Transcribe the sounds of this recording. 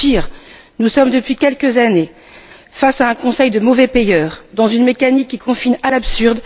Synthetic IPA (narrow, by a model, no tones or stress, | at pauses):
iʁ | nusɔmd̪əpɥikʲɛlkəzane | fasaɛ̃kɔ̃sɛjd̪əmɔvɛpejœːʁd̪ɑ̃zynmekanikʲːikɔ̃finalapsyʁd̪